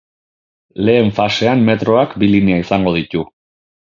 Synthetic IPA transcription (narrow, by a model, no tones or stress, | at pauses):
le̞ːɱfase̞amme̞t̪ɾo̞akbiliniaisaŋɡo̞ðit̪u